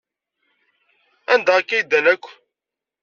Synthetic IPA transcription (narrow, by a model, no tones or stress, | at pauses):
ænd̪æəkːæjd̪ːænækʷː